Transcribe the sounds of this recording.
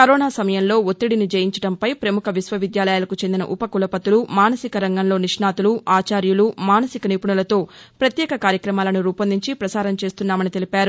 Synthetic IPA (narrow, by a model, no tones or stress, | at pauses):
kɐɾoːnaːsɐmɐjɐnlo̞ːot̪ːiɽinid͡ʒɐjiɲt͡ʃɐɽɐmpɐjpɾɐmukʰɐʋisʋɐʋid̪jaːlɐjaːlɐkut͡ʃe̞nd̪inɐ̰ʔupɐkulɐpɐt̪ulumaːnɐsikɐɾɐŋɡɐnlo̞ːniʂnaːt̪uluaːt͡ʃaːɾjulumaːnɐsikɐniːpuɳɐlɐt̪o̞ːpɾɐt̪jɛːkɐkaːɾjɐkɾɐmaːlɐnuɾuːpɐnd̪iɲt͡ʃipɾɐsaːɾɐmt͡ʃe̞ːst̪unːaːmɐnit̪e̞lipaːɾu